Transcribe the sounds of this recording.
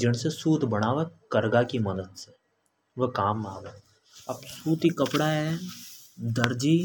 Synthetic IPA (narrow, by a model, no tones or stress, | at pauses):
d͡ʒɪɽ̃sesuːt̪bɐɽ̃aːʋekɐɾɡakimɐd̪əd̪se | ʋəkaːmːaːʋe | ɐbsuːt̪ikɐpɽaɦɛ | d̪ɐɾd͡ʒiː